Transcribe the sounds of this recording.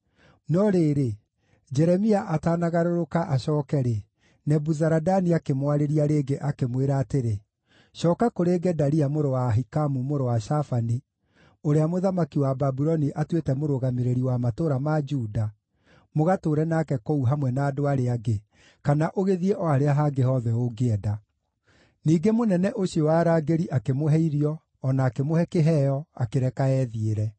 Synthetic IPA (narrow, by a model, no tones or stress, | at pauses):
nɔɾeːɾe | d͡ʒɛɾɛmiaʔataːnaɣaɾoɾokaʔaɕɔːkɛɾe | nɛbuzaɾadaniakemwaɾeɾiaɾeːɡeʔakemweɾaːteɾe | ʃɔːkakoɾeɡɛdaɾiamoɾowaɦikamumoɾowaʃafani | oɾeamoðamakiwababuɾɔniʔatwetɛmoɾoɣameɾeɾiwamatoɾamad͡ʒuːda | moɣatoːɾɛnakɛkouɦamwɛnaːdoaɾeaɡe | kanaʔoɣeðieʔɔaɾeaɦaɡehɔðɛoɡeɛda | niːɡemonɛnɛʔoɕiowaɾaːɡeɾiʔakemoɦɛiɾiɔː | naːkemohɛkeɦɛjɔa̰keɾɛkaɛðieɾɛ